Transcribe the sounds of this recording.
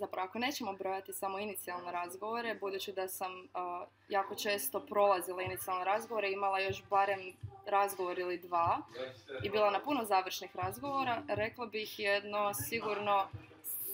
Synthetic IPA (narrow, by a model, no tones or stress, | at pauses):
zapɾaʋoako̞ne̞ːt͡ɕemobɾo̞jat̪isamo̞init̪sialˠne̞ɾazɡo̞ʋoɾe̞bud̪uːt͡ɕid̪asam | jaːko̞t͡ʃe̞ːst̪o̞pɾo̞lˠazilˠainit̪sialˠneɾazɡoʋoɾeimalˠajo̞ʃbaɾe̞mɾazɡo̞ʋoɾilid̪ʋaːibiːlˠanapunozaːʋr̩ʃnixɾazɡo̞ʋo̞ɾaɾe̞klˠobixjed̪no̞siɡuɾno̞